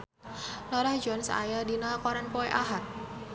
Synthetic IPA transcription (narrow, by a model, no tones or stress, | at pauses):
lɔɾahd͡ʒɔnsa̰jadinakɔɾanpɔeʔaɦat̪̚